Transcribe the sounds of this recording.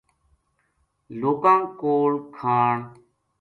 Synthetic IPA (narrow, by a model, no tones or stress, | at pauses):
loːkãːŋkoːɭkʰaːɳ